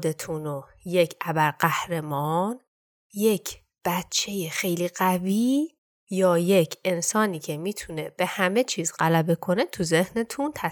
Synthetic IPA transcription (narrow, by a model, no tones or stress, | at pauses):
d̪e̞t̪ʰuno | je̞cʰʔæbæɾɢæhɾe̞mɒːn | je̞cʰ | b̥æt͡ʃʰːe̞jexe̞jliːɣæviː | jɒːje̞cʰe̞nsɒːniːcʰe̞miːt̪ʰune̞b̥e̞hæme̞t͡ʃʰiːzɢælæbe̞kʰo̞ne̞t̪ʰuze̞hne̞t̪ʰunt̪ʰæ